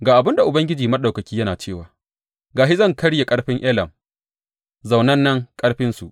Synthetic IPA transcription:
ɡaː˨ʔa˨bɪ˦nda˨ʔʊ˨bɐ˦ŋɡʲɪ˦d͡ʒiː˨mɐ˦ɗa˨wkɐ˨kʲiː˦jɐ˦naː˨t͡ʃeː˦˨waː˨ | ɡaː˨ʃi˦zɐ˦˨ŋkɐ˦ɽje˨kʼɐ˦ɽɸɪ˦ŋʔɛ˦lɐ˨m | za˨wnɐ˦nːɐ˦ŋkʼɐ˦ɽɸɪ˦nsu˨ʔ

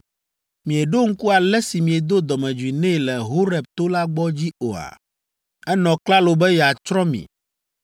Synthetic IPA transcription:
mĩ˨e˨ɖo˦ŋ̩˦ku˦a˨lɛ˦si˨mĩ˨e˨d̪o˦d̪ɔ˨mɛ̃˨d͡ʒu˨i˨nɛ̃˦˨lɛ˨ɦo˦ɾɛ˨b̚t̪o˦la˦ɡ͡bɔ˦d͡ʑi˦o˨a̰˨ | ɛ˦nɔ̃˨kla˦lo˨bɛ˦jɛ˨a˨t͡ʃɾɔ̃˦mḭ̃˨

